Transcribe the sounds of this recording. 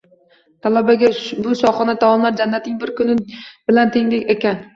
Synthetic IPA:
t̪ʰalabaɡʲabʊsɒχɒnat̪ʰawɒnlaɾd͡ʒanːat̪nɪŋbɪɾkʰʊnɪb̥ɪlant̪ʰeŋlɪkʲekʲan

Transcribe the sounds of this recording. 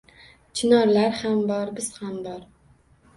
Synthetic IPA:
t͡ʃʰɪnɒɾlaɾhambɒɾbɪz̥hambɒɾ

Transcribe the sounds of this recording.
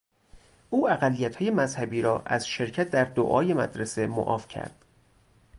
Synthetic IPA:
ʔuːæɣælːijæt̪ʰhːje̞mæzhæbiːɾɒːʔæzʃe̞ɾcʰæt̪̚ʰd̪æɾd̪o̰ʔɒːje̞mæ̰d̪ɾese̞mo̰ʔɒ̰ːfcʰæ̰ɾd̪̥

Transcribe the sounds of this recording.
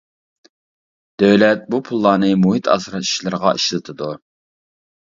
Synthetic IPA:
d̪̥øwlɛt̪̚bupʰulˠːɑːnɨmuɦit̪ʰɑ̰sɾɑi̥ʃlˠɪɾəʁɑʔiʃlˠɨt̪ʰɨd̪u

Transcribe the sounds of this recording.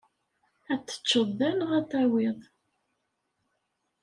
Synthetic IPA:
æt͡sːə̥t͡ʃːəðˤðænʁæθæwɪðˤ

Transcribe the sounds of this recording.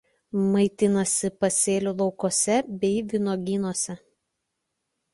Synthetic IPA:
mɐɪt̪ʲɪnɐsʲɪpɐsʲeːlʲulˠɒʊkoːsʲɛbʲɛɪʋʲɪnoːɡʲinoːsʲɛ

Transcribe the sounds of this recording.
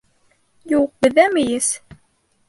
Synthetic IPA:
jəwq̚ːðæmjəs

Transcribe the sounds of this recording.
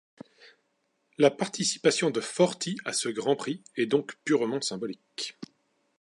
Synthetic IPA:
lapaʁt̪isi̥pasjɔ̃d̪əfɔʁt̪ʰiasəɡʁɑ̃pχiɛd̪ɔ̃kpyʁmɑ̃sɛ̃bɔlik

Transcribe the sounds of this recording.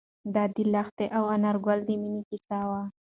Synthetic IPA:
d̪ad̪ilaxt̪eʔawanaɾɡald̪eminikisawa

